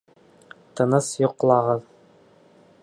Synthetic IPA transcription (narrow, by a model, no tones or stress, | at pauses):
t̪ɤ̆nɤsjŏqlˠɑʁɤð